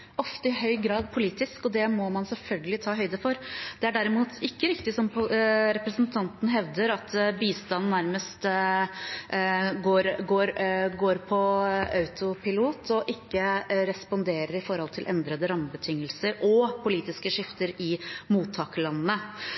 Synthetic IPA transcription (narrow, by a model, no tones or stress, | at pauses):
ɔft̪əɪɦœʏɡɾɑːd̪pʰʊliːt̪ɪskɔd̪ɛmɔmɑnsɛlfœlɡəlɪt̪ʰɑːɦœʏd̪əfɔɾd̪̥ɛæɖæɾɪmuːt̪ɪkːəɾɪkt̪ɪsɔmpɾɛpɾəsnt̪ʰɑnt̪n̩ɦɛʋd̪əɾɑt̪biːst̪ɑnn̩næɾməst̪ | ɡoːɾɡoːɾɡoːɾpʰɔɑʉt̪ʊpʰɪluːt̪ʰɔʔɪkːəɾɛspɔnd̪eːɾəɾɪfɔɾhɔlt̪ʰɪlʔɛnd̪ɾəd̪əɾɑməbət̪ʰɪŋːəlsəɾɔpʰʊliːt̪ɪskəʂɪft̪əɾɪmuːt̪ʰːɑːkəlɑnːnə